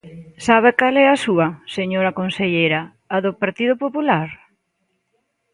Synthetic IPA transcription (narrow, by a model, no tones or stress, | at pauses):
saβ̞ɪkalɛɐsuɐseɲoɾɐkonseʎejɾɐː | ðʊpaɾt̪iðʊpopulaɾ